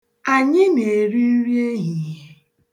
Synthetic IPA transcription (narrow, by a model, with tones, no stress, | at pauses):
a˨ɲɪ˦ne˨ɾi˦ɾje˦ɦi˨˦